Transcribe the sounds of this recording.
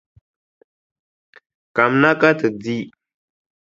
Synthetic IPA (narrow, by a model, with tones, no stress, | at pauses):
ka˨mna˦ka˦tə˨di˦